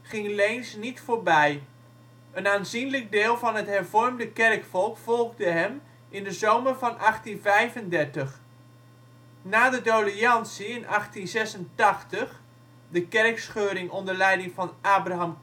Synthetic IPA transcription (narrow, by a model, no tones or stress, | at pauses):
χɪŋlejnsnitfoːɹbɛj | ənaːnzinləɡ̚dɪːlˠvɑnɦətɦɛɹvɔɹmdəkɛrkfɔlˠkfɔlˠʁdəɦɛm | ʔɪndəzowməɹvɑnʔɑχtinvɛjvəndɛɹtəχ | naːdədoliɑnsiɪnʔɑχtinzɛsəntɑχtəχ | dəkɛɹksχøːɾɪŋɔndəɹlɛjdɪŋvɑnʔaːbraɦɑm